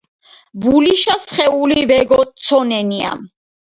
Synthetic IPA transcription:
buliʃasχɛulivɛɡɔt̪sʰɔnɛnia̰m

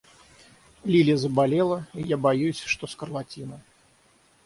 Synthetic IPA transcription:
lʲilʲiɐzɐbalʲɛlˠɐijabajusʲʂt̪ɔskɐrlˠat͡sʲinɐ

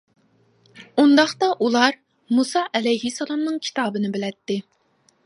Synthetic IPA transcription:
und̪ɑχt̪ɑʔulˠɑɾ | musɑʔɛlɛjɦisːɛlˠɑmnɨŋkʲʰi̥t̪ʰɑːbɨnɪbɪlɛt̪ːɪ

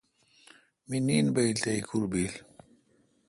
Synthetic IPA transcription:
miniːnbɐilt̪aikʰuɾbiːl

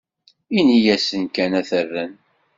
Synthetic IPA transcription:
inijæsənkænæθərːən

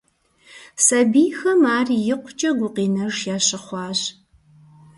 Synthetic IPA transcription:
sɐbiːjxɐmaːrijɪqʷʰʊt͡ʃʼɐɡʷʊqiːnɐʒjaːɕɪχʷɑːɕ

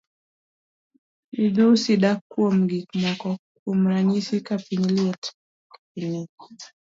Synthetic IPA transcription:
iðusiɗakːuɔm̩ɡikmɔkɔ | um̩ɾaɲisikapiniliɔt | kapinɛ

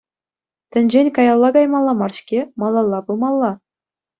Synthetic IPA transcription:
t̪ʲɘ̆nʲd͡ʑenʲkɑjɑlˠːɑɡɑjmɑlˠːɑmɑrɕkʲemɑlˠːɑlˠːɑbɯmɑlˠːɑ

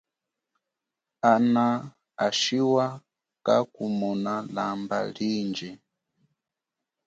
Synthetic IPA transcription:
ana | aʃiwa | ka̰kumɔnalamba̰lind͡ʒɛ

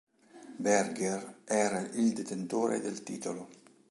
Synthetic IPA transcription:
bɛrɡerɛːɾaʔild̪et̪ent̪oːɾḛd̪elt̪iːt̪olo

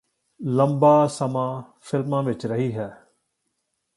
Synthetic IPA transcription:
lə̃mbaːsəmãː | fʰɪlmãːʋɪt͡ʃɾəɦiːɦɛː

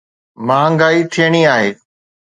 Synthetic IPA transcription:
mãːŋɡaːit̪ʰijəɽ̃iaːɦeː

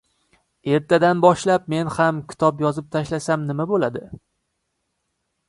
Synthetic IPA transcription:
e̞ɾt̪ʰad̪anbɒʃlap̚me̞nhamkʲʰɪ̥t̪ʰɒpjɒzɪp̚t̪ʰaʃlasamnɪmabolad̪ɪ

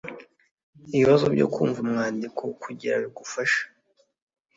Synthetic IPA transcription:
iβiβazobɟo̰kṵːɱvumŋaːndikʰo̞kuɟiɾaβiɡufaʃḁ

